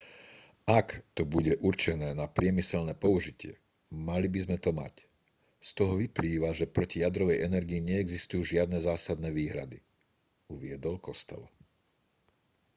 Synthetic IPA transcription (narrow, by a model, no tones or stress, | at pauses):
akt̪ɔbuɟɛʔuɾt͡ʃɛnɛːnapɾɪɛmisɛlnɛːpɔuʒicɪɛ̰ | malibizmɛt̪ɔma̰c | st̪ɔɦɔʋipliːʋaʒɛpɾɔcijad̪ɾɔʋɛjɛnɛɾɡiiɲɛɛɡzist̪ujuːʒɪad̪nɛzaːsad̪nɛʋiːɦɾa̰d̪i | uʋɪɛd̪ɔlkɔst̪ɛ̰lɔ